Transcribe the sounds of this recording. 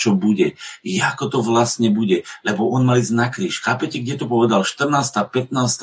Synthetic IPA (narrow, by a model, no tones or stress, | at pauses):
t͡ʃɔbuɟɛjɛakɔt̪ɔʋlasɲɛbuɟɛlɛbɔʔɔnmaliːznakɾiːʃxaːpɛcɛɡɟɛt̪ɔpɔʋɛd̪alʃt̪r̩naːst̪aːpɛt̪naːst̪